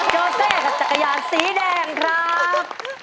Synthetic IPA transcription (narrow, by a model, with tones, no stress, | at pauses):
t͡ɕoː˧seː˥˩ka˨˩t͡ɕa˨˩kːa˧jaː˧˩nsiː˩˦dɛː˧ŋkʰɾa˦˥p̚